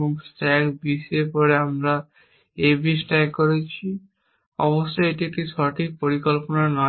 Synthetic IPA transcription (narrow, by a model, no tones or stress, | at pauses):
umsʈɛkbiʃepɔɾeamɾa | ebisʈɛɡkoɾet͡ɕʰi | ɔ̰boʃːojeʈiek̚ʈiʃɔʈʰik̚poɾikolponanɔ